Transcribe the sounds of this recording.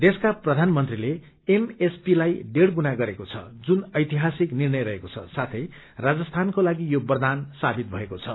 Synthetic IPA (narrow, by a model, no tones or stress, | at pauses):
d̪eskaprʌd̪ʱanmʌnt̪rile | emespilajɖeɽɡunaɡʌɾekot͡sʰʌ̰d͡zunʌjt̪iɦasiknirnʌjɾʌɦekot͡sʰʌ̰sat̪ʰʌj | rad͡zʌst̪ʰankolaɡijobʌrd̪ansabit̪̚bʱʌekot͡sʰʌ